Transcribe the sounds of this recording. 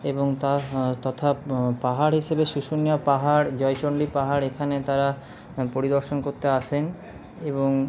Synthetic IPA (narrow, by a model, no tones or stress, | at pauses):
eboŋt̪at̪ɔt̪ʰapaɦaɾɦiʃebeʃuʃunijapaɦaɾd͡ʑɔjʃoɳɖipaɦaɾekʰanet̪aɾa | poɾid̪oɾʃonkoɾt̪eaʃʰen | eboŋ